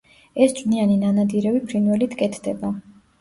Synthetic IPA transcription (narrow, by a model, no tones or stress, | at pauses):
ɛst͡ʃʼvnianinanad̪iɾɛvipʰɾinwɛlit̪ʰkʼɛt̪ʰd̪ɛba